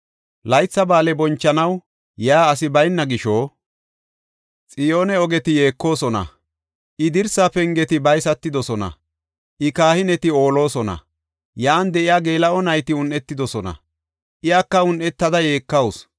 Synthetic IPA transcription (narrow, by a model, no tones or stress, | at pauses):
lɐjt͡sːɐbaːlɛbɔnt͡ʃːɐnɐw | jaːs̬ɪbɐjnːɐɡɪʃoː | t͡sʼɪjo̞ːnɛɔɡɛt̪ɪje̞ːkːo̞ːsɔnɐ̰ | ʔɪd̪ɪɾsapɛŋɡɛt̪ɪbɐjsɐt̪ːɪd̪ɔsɔnɐ̰ | ʔɪkaːhɪnɛt̪ɪo̞ːlo̞ːsɔnɐ̰ | jaːnd̪ɛʔɪjaːɡe̞ːlɐɔnɐjt̪ɪʊnʔɛt̪ːɪd̪ɔsɔnɐ̰ | ʔɪjaːkːɐʊnʔɛt̪ːɐd̪ɐje̞ːkːɐws